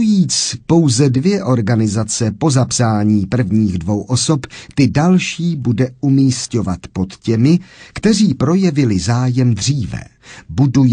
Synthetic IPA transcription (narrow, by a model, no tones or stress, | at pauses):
jiːt͡spo̞wzɛdvjɛʔo̞ɾɡanɪzat͡sɛpo̞zapsaːɲiːpr̩vɲiːɣdvo̞wʔo̞so̞pt̪ɪdalʃiːbudɛʔumiːsco̞vat̪po̞t̪cɛmɪkt̪ɛr̝iːpɾo̞jɛvɪlɪzaːjɛmd̪r̝iːvɛ̰ | buduj